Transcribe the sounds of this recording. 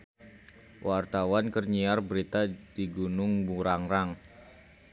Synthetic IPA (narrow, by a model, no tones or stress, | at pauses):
wʔart̪awankərɲiarbəɾit̪adiɡunʊŋbuɾaŋɾaŋ